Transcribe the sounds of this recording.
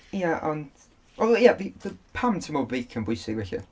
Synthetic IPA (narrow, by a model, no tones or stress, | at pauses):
jaʔən | wɛlˠjaðiðəpʰamtʰəmɔbɪːkʰənbwʊjsɪɡvɛɬɪ̰